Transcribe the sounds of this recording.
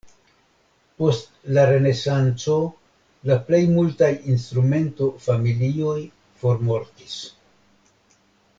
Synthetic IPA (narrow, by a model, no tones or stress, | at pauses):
po̞st | laɾe̞ne̞sant͡so̞ | laple̞jmultajins̬tɾume̞nto̞familio̞j | fo̞ɾmo̞ɾtis